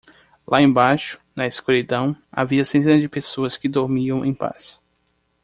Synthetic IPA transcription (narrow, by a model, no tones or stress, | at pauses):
lʔaẽbajʃʊ̥nɐiskuɾid̪ɐ̃w̃a̰viɐsẽnt̪ẽnɐd͡ʒɪpesoɐskɪd̪oɾmiɐ̃w̃ʔẽj̃pa̰s